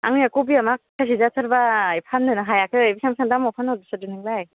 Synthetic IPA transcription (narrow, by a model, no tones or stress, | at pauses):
a̰ŋiakobiamakʰːasizatʰɯɾbaːjpʰanːɯnɯɦajakʰɯbisamsʰaŋdamɔpʰanɔdɯsɯdɯnɯŋbaj